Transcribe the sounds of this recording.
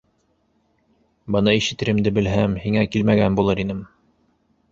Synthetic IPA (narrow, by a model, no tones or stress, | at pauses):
bɤ̆nɤiʃɘ̆t̪ːɘ̆ɾɘ̆md̪ɘbɘ̆lɦæmhiŋækilmæɡænbulˠɤɾinɘm